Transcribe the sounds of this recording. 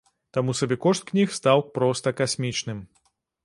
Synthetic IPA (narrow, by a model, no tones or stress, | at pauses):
t̪amusɐbʲɛkɔʂt̪̚knʲixst̪awpɾɔst̪ɐkasʲmʲit͡ʂnɨm